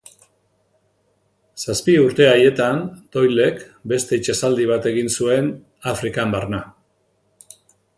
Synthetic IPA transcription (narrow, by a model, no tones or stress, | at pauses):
saspiuɾt̪e̞aje̞t̪ant̪o̞jle̞k | be̞st̪e̞it͡ʃesald̪iβ̞at̪e̞ɣinsue̞n | afɾikambaɾna